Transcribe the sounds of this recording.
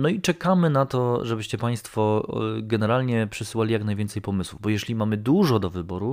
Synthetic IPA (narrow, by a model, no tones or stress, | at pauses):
nɔit͡ʂɛkamɘnat̪ɔʐɛbɘɕt͡ɕɛpaj̃st̪fɔɡɛnɛɾalɲɛpʂɘsɘwalʲijaknajvʲɛnt̪sɛjpɔmɘswuvbɔjɛɕʲlʲimamɘd̪uʐɔd̪ɔvɘbɔɾu